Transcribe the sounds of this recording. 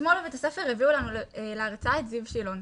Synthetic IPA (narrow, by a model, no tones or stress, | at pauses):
molvet̪asefeʁeviulanueleaʁt͡saet̪zivʃilo̞n